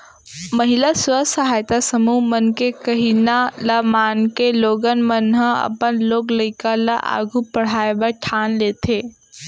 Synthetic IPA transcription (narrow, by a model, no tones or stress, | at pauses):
məɦilaswəsɐɦaːjt̪asəmumənkekɐɦinalamaːnkeloːɡənmənɦə̃ɐ̰pənloːɡləɪkala̰ʔa̰ːɡʱupɐɽ̤aːebəʈʰaːnleːt̪ʰeː